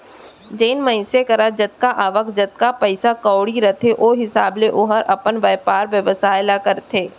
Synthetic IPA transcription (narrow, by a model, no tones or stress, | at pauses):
d͡ʒeːnmə̃ɪ̃sekɐɾad͡ʒɐt̪̚kaʔaːʋəkd͡ʒɐt̪̚kapəɪsakɔːɽiɾɐt̪ʰeʔoːɦɪsaːbleʔoɦəɾʔɐpənʋɛːpaːɾʋjəʋəsaːɪlakəɾt̪ʰeː